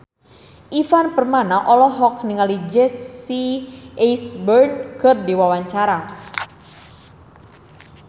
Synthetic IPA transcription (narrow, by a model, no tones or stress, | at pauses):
ʔifanpərmanaʔɔlɔɦɔknɪŋalid͡ʒɛsiɛjsbərnkərdiwawaɲt͡ʃaɾa